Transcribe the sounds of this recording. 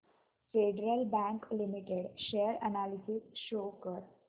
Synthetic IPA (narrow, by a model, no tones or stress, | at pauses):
feɖɾəlbæ̃ŋklimiʈeɖʃeəɾənalisisʃokəɾ